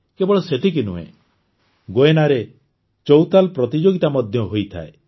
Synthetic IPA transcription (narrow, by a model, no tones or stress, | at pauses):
kebɔɭɔset̪ʰik̬inuḛ̃ | ɡoenaɾe | t͡ʃɔwt̪alpɾɔt̪id͡ʒoɡit̪amɔd̪ʱjɔɦojt̪ʰa̰e